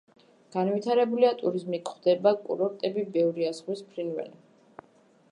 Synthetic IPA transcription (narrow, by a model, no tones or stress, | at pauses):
ɡ̥anvit̪ʰaɾɛbuliat̪ʼuɾizmikʰχd̪̥ɛbakʼṵɾɔɾt̪ʼɛbibɛvɾiasʁwispʰɾinvɛ̰li